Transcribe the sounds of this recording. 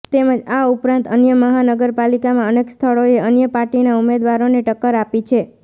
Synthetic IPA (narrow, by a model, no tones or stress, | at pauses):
t̪eməd͡ʒaupɾãnt̪ənjəməɦanəɡəɾpalikamãənekst̪ʰəɭoeənjəpaɾʈinaumed̪ʋaɾoneʈəkːəɾapit͡ʃʰe